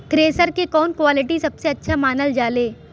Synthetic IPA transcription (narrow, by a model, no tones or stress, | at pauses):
kɾeːsəɾkekɔːnkwaːlɪʈisɐbseɐtːʃʰamaːnəld͡ʒaːleː